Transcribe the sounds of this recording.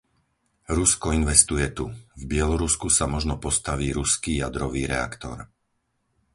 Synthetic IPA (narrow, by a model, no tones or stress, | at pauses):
ɾuskɔinʋɛst̪ujɛt̪uvbɪɛlɔɾuskusamɔʒnɔpɔst̪aʋiːɾuskiːjad̪ɾɔʋiːɾɛ̰a̰kt̪ɔ̰ɾ